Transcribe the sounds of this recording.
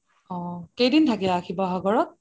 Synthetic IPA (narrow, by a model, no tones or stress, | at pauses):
ɔ̃kejdintʰakilakʰibɔɦaɡɔɹɔt̪̚